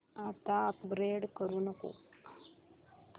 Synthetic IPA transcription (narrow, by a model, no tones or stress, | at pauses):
at̪aəkbɾeɽkəɾuːnəko̰